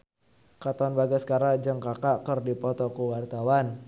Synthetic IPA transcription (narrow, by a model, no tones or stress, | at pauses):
kat̪aanbaɡaskaɾad͡ʒəŋkakaʔkərdipɔt̪ɔkəwart̪awan